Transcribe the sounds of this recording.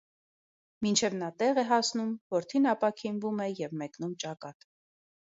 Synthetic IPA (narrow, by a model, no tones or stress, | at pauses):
mint͡ʃʰɛvnɑt̪ɛʁɛɦɑsnumvɔɾt̪ʰinɑpɑkʰinvumɛjɛvmɛknumt͡ʃɑkɑt̪